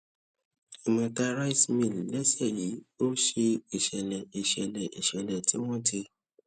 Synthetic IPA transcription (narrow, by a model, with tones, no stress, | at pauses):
i˨mã˧ka˧ɾa˦i˦smĩ˨llɛ˦sɛ˦˨ji˨˦o˦ʃe˧i˨ʃɛ˨lɛ˨i˨ʃɛ˨lɛ̃˨ʔḭ˨ʃɛ˨lɛ̃˨ti˨˦w̃ɔ̃˦tʰi˧